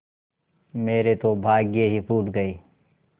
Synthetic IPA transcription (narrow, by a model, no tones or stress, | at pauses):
meːɾet̪obʱaːɡjeɦipuːʈɡəiː